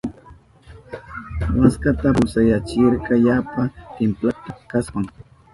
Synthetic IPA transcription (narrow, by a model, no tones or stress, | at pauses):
waskat̪apʊsajat͡ʃɪɾkɑjapat̪ɪmplat̪ḁkaswaŋ